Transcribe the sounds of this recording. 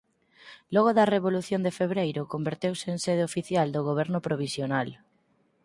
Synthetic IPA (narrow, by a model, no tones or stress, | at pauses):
lɔɣoðɐreβoluθjond̪efeβɾejɾʊkombeɾt̪ewsɪːŋseðeofiθjald̪oɣoβ̞ɛɾnʊpɾoβ̞isjonal